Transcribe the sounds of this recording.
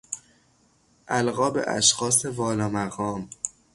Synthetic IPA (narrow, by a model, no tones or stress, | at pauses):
ʔælɣɒːbḛʔæ̰ʃxɒːse̞vɒːlɒːmæɣɒːm